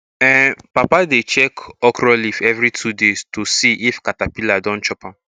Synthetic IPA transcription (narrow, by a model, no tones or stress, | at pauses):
ɛ̃papadet͡ʃɛkɔkɾɔlifɛvɾitʰudestusiʔifkatapiladɔ̃nt͡ʃɔpãm